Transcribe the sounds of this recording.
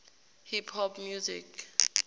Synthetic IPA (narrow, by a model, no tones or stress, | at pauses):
hipʰhɔpʰmjuzḭk